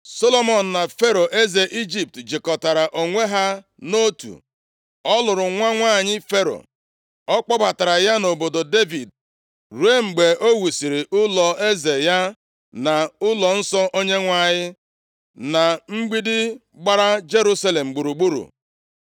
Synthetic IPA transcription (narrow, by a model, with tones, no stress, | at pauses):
so˦lo˦mɔ˨n̩˨na˨fe˦ɾo˨ʔe˦ze˨ʔi˦d͡ʒi˨p̚td͡ʒɪ˨kɔ˨ta˨ɾa˨ʔo˨ŋʷe˦ɦa˦ | no˦tṵ˨ | ɔ˦lʊ˨ɾʊ˨ŋʷa˦ŋʷaː˦˨ɲɪ˦fe˦ɾo̰˨ | ɔ˦k͡pɔ˦ba˨ta˨ɾa˨ja˦no˨bo˨do˨de˦vi˨d̚ | ɾu˨˦e˦ŋ͡m̩˨ɡ͡be˨o˦wu˨si˨ɾɪ˨ʔʊ˦lɔ˨e˦ze˨ja˦ | na˨ʊ˦lɔ˨n̩˦sɔ˦ʔo˦ɲe˦ŋʷa˦˨ɲɪ˦ | na˨ŋ͡m̩˦ɡ͡bi˦dɪ˦ | ɡ͡ba˦ɾa˦d͡ʒe˦ɾu˦sa˦le˨m̩˨ɡ͡bu˨ɾu˨ɡ͡bu˦ɾṵ˨